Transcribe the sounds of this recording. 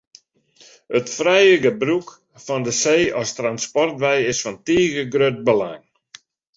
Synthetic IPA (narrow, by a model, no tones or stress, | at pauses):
ətfrɛjəɡəbruk | fɔndəseːɔstranspɔrtʋɛjɪsfɔntiːɣəɡrøt̚bəla̰ŋ